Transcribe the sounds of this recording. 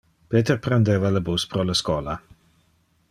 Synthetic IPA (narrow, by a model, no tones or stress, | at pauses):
peːt̪ɛrpɾɛnd̪eːvaləbuspɾɔlaskɔːla